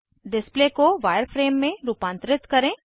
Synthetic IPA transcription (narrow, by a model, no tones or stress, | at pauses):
ɖɪsplekoʋaːjəɾfɾeːmːẽɾuːpãːnt̪ɾɪt̪kɐɾẽ